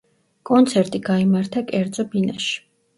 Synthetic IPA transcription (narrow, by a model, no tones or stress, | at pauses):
kʼɔnt̪sʰɛɾt̪ʼiɡaimaɾt̪ʰakʼɛɾd̪z̥ʼɔbinaʃi̥